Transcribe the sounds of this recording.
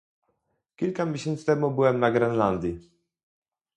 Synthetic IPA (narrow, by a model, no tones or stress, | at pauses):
kʲilkamʲjeɕɛnt̪st̪ɛmubɘwɛmnaɡɾɛnland̪ʲji